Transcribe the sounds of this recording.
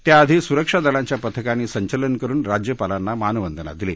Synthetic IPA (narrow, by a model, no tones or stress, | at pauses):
t̪jaəd̪ʱisuɾəkʂad̪əlãɲt͡ɕjapət̪ʰəkaniːsəɲt͡ɕələnkəɾuːnɾad͡ʑjəpalanːamanəʋənd̪ʱəna̰d̪ile